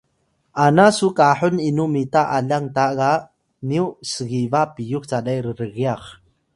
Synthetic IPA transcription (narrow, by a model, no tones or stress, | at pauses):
ʔanasukaħuninumitaʔaʎaŋtaʔka | niusəɣivapijukt͡saɗajɾəɾəɣiaχ